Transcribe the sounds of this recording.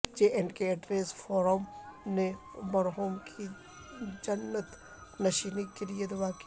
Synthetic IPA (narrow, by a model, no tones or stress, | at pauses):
d͡ʒeːʔɛɳɖkeɐʈɾeːsfɔːɾomne | mɐɾɦoːmkʰi | d͡ʒɐnːət̪ | nɐʃiːnikelied̪ɐʋaːk